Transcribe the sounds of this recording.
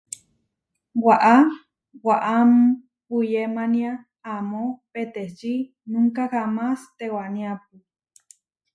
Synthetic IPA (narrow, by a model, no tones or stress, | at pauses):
waʔa | waʔam | pujemaniaː | mopet̪et͡ʃi | nũŋkahamast̪ewanĩap̚u